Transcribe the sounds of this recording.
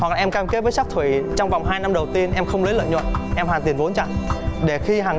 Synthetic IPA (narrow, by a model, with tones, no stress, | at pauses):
wa˨˩k̚lːʔɛ˧mkaː˧mke˧˦t̚vəː˨˦jsa˦˥k̚t̪ʰwḭ˧˩t͡ɕɔ˧wŋ͡mva˨˩wŋ͡mɦaː˧jna˧mɗə˨˩wt̪i˧ənʔɛ˧mxə˧wŋ͡mlə˨˦lə̰ː˧˨jɲwə̰˧˨nʔɛ˧mhaː˨˩t̪i˨˩ənvo˨˦nt͡ɕa̰˧˨ŋɗe˧˩xi˧ɦaː˨˩